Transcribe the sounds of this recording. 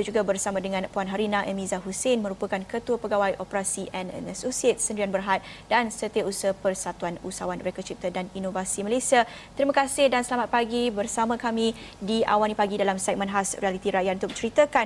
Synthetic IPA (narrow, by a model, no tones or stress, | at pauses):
d͡ʒuɡabərsamãdəŋãnpuanɦaɾinãʔəmĩzaɦusenmə̃ɾupəkankət̪uəpəɡawajʔopəɾasiʔɛn̰nasosiet̪̚səndɾianbərɦat̪̚dansət̪iausəpərsat̪uanṵsawanɾɛkət͡ʃip̚t̪ədaninovasiməlasia | t̪əɾimãkasɪhdansəlamat̪̚paɡibərsamãkamĩ | dia̰wanipaɡidalamsɛk̚mə̃nɦasrialit̪iɾajat̪̚unt̪ʊk̚t͡ʃəɾit̪əkan